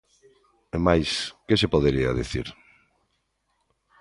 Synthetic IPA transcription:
emajskesepoðeɾia̰ðiθḭɾ

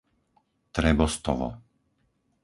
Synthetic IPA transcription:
t̪ɾɛbɔst̪ɔʋɔ̰

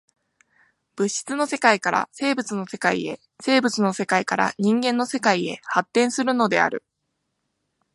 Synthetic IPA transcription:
b̥ɯ̟ɕi̥t͡sɨno̞se̞kaikaɾa̰se̞ːbɯt͡sɨno̞se̞kaḭe̞̰ | se̞ːbɯ̟t͡sɨno̞se̞kaikaɾa̰ɲ̟ĩŋɡẽ̞nːo̞se̞kaie̞hat̪ːẽɰ̃sɨɾɯ̟no̞d̪e̞̰a̰ɾɯ̟̰

